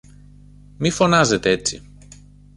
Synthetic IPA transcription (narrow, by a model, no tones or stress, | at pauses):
mifonazet̪eet͡sḭ